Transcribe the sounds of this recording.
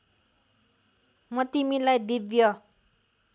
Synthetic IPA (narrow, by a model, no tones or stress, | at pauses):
mʌt̪imilajd̪ibjʌ